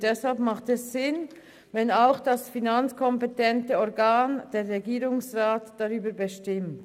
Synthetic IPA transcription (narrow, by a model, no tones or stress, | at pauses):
d̥ɛshalpmaχtɛsːɪn | vɛnaʊxd̥asfinant͡skʰɔmpɛtɛntəɔʁɡaːnd̥eːʁʁeɡiːʁʊŋsʁaːtd̥aʁyːbəbəʃtɪmt